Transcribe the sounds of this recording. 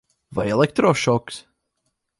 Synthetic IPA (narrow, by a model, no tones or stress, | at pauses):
vaɪɛlˠɛk̚t̪ɾɔʃɔks